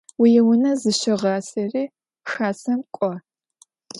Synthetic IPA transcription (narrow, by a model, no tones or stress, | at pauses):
wijɪwʊnɐzɨɕɪʁɑːsɐriː | xaːsɐmkʷʼɔ